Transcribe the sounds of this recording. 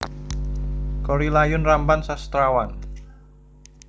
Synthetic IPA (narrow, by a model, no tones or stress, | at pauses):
kɔɾilajʊnrambansast̪ɾawan